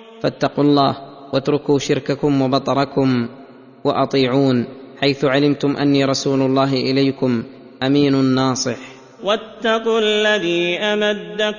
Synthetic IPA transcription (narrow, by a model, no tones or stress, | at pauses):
fat̪ːɑqulˤːɑːh | wat̪ɾʊkuːʃɪɾkakʊmwɑbɑt̪ˤɑɾˤɑkʊm | wɑ̰ʔɑt̪ˤiːʕuːnħajθʊʕalɪmt̪ʊmʔa̰nːiːɾˤɑsuːlʊlˤːɑːɦɪʔɪlajkʊm | ʔamiːnʊnːɑːsˤɨħ | wat̪ːɑqːalːaðiːʔamad̪ːa